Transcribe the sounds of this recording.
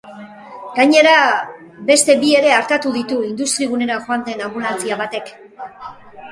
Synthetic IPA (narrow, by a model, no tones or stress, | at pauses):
ɡaɲe̞ɾa | be̞st̪e̞bie̞ɾe̞aɾt̪at̪uðit̪uind̪ust̪ɾiɣune̞ɾaʝo̞and̪e̞nambulat͡siaβat̪e̞k